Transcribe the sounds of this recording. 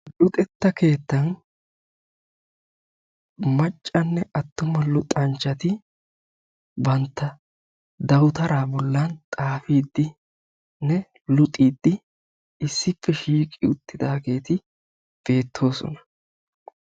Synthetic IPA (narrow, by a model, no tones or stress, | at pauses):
lʊt̪ʼɛt̪ːɐke̞ːt̪ːɐn | mɐt͡ʃʼːɐnːɛɐt̪ːʊmɐlʊt̪ʼɐnt͡ʃːɐt̪ɪ | bɐnt̪ːɐ | d̪ɐwʊt̪ɐɾaːbɔlːɐnt̪ʼaːfiːd̪ːɪ | nɛ | lʊt̪ʼːiːd̪ːɪ | ɪsːɪpːɛʃiːkʼɪʊt̪ːɪd̪aːɡe̞ːt̪ɪ | b̥e̞ːt̪ʰːo̞ːsɔ̰nɐ̥